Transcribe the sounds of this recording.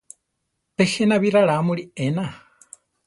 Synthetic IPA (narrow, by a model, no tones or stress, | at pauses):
t̪ehenaβiɾaɺamuɾiena